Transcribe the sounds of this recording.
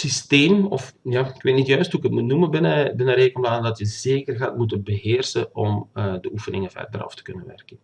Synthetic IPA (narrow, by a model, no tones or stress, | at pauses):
sisteːmɔfjaːɪkʋeːtnitjœɥstɦuɪkətmutnuməbɪnəbɪnəɾeːkənplaːnəndɑtjəzeːkərɣa̰ːtmutənbəɦeːrsəɔmədəʔufənɪŋəvɛ̰rdərɑ̰ftə̥kɵnənʋɛ̰rkən